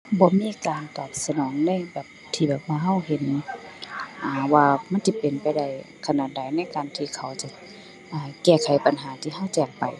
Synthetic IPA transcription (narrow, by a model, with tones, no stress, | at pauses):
bɔː˧˦miː˧˥˨kaː˨nt̪ɔː˨˩t̪̚sa˧nɔː˨˦ŋna˧˥˩jbɛː˨˩p̚t̪ʰiː˧˩bɛː˨˩p̚waː˧ɦa˧˥˩wɦe˨˧˦n | ʔaː˨˩waː˧ma˧˥˨nt͡ɕa˧˦pe˨npa˨jda˧˩j | kʰa˧naː˨˧˩t̪̚da˨˦jna˧˥˨jkaː˨nt̪ʰiː˧kʰa˨˩wt͡ɕa˧ | ʔaː˨˩kɛː˧˩kʰa˨˦jpa˨nɦaː˨˦t̪ʰiː˧ɦa˧˥˨wt͡ɕɛː˧˩ŋpa˨˩j